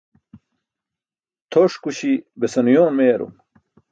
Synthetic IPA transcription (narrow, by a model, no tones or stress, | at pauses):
t̪ʰoʂkuɕibesɐnujoːnmeːɾo̰